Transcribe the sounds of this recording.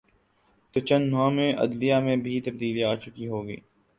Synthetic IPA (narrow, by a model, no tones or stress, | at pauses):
t̪ot͡ʃə̃nãmẽʔɐ̰d̪lijamẽbʱit̪əb̚d̪iːliaːt͡ʃʊkiɦoːɡḭː